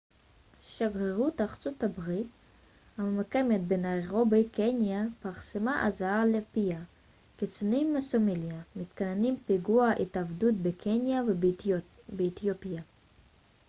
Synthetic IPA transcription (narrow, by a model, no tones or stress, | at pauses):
ʃaɡʁeʁutaχat͡sot̪abʁit | hamemakemet̪̚benaeʁobejkʰenjapaʁsemaʔazaalepia | kit͡sunimːesomiljamit̪kanenimpiɡuaʔit̪avdut̚bekʰenja | beːt̪jopija